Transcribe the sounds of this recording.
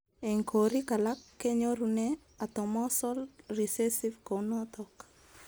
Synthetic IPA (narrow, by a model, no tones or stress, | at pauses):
eŋkʰoɾikalakːeɲoɾunɛ | at̪ɔmɔsɔlrisesivkonɔt̪ɔk